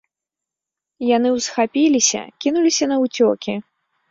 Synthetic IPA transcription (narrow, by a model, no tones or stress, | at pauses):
janɨwsxapʲilʲisʲɐ̰kʲinulʲisʲɐnɐwt͡sʲɔkʲi